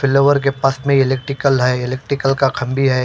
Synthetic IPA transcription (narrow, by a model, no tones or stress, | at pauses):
fɪloːʋəɾkepaːsmẽɪleːk̚ʈɾɪkəlɦɛɪlek̚ʈɾɪkəlkakʰɐ̃mbʱiɦɛː